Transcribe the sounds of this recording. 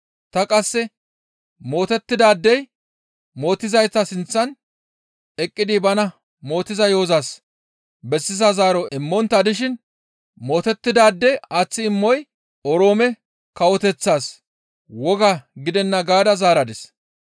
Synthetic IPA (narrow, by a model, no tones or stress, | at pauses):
t̪ɐkʼɐsːɛ | mo̞ːt̪ɛt̪ːɪd̪aːd̪ːɛj | mo̞ːt̪ːɪzɐjt̪ːɐsɪnt͡sːɐn | ɛkʼːɪd̪ɪbɐnɐ | mo̞ːt̪ːɪzɐjoːzaːs | bɛsːɪzɐzaːɾɔɪmːɔnt̪ːɐd̪ɪʃ̬ɪn | mo̞ːt̪ɛt̪ːɪd̪aːd̪ːɛɐt͡sːɪːɪmːɔj | ɔɾo̞ːmɛ | kɐwɔt̪ɛt͡sːaːs | wɔɡaɡɪd̪ɛnːɐɡaːd̪ɐzaːɾɐd̪ɛs